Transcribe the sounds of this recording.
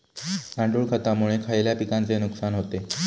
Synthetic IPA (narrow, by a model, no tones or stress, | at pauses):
ãɳɖuɭkʰat̪amuɭekʰajljapikant͡senuksanɦot̪e